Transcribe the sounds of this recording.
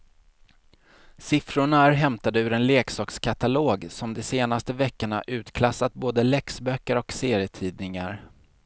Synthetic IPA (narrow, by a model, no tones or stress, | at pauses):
sɪfɾʊɳaæɾɦɛmt̪ad̪əʉɾɛnleːksɑːkskʰat̪aloːɡsɔmd̪ɔseːnast̪əvɛkːəɳa̰ʔʉ̟ːt̪kʰlasːat̪̚boːd̪əlɛksbœkːəɾɔkseːɾjət̪ʰiːd̪nɪŋaɾ